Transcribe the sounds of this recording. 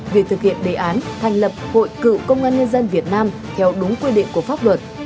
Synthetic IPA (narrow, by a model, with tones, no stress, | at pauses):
ve˨˩t̪ʰɨ˨˩k̚hḭ˧˨ənɗe˨˩ʔaː˨˦nt̪ʰa˨˩jŋ̟lə˨˩p̚ho̰˧˨jkɨ̰˧˨wkə˧wŋ͡mʔaː˧nɲə˧nzə˧nvi˨˩ət̚naː˧m | t̪ʰɛ˧˥wɗʊ˨˦ŋ͡mkwi˧ɗḭ˧˨ku˧˩əfaː˦˥p̚lwə˨˩t̚